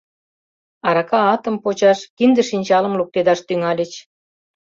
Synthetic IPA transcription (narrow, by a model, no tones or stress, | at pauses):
ɑɾɑkɑɑt̪ə̆mpot͡ɕɑʃkind̪ə̆ʃinʲt͡ɕɑlə̆mluk̚t̪ed̪ɑʃt̪yŋɑlʲĕt͡ɕ